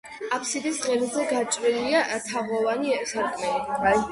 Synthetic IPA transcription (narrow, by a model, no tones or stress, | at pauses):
apʰsid̪isʁɛlzɛɡat͡ʃʼɾiliat̪ʰavɔvanisaɾkʼmɛi